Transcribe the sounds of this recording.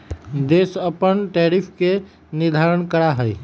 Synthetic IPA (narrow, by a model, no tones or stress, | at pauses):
d̪eːsəpənʈɛːɾɪfʰke | nɪd̪ʱaːɾənkəɾaɦɛi